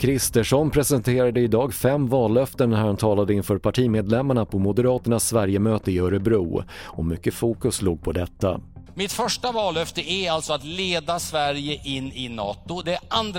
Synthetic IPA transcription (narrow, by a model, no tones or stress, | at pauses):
kʰɾɪst̪əʂɔnpʰɾɛsɛnt̪ʰeːɾad̪əɪd̪ɑːɡfɛmːvɑːlːœft̪əɳhæɾant̪ʰɑːlad̪əɪnfœːɾpʰaʈʰiːmeːd̪lɛmːaɳapʰɔmʊd̪əɾɑːt̪əɳasːvæɾjəmøːt̪əɪœɾəbɾṵːɔmʏkːəfuːkɵsluːɡ̚pʰɔd̪ɛt̪ːa̰ | mɪt̪fœʂʈavɑːlœft̪əæɾalt̪sɔat̪leːd̪asvæɾjəʔɪnːɪnɑːt̪ʊd̪ɛand̪